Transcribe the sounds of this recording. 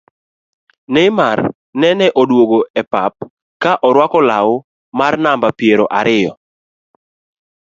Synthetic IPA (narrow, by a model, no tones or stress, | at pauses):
nɛmar | nɛnɛʔodwoɡoɛpap̚ | kaʔɔɾwakɔlaʊ | marnambapjeɾoʔaɾʔɪjɔ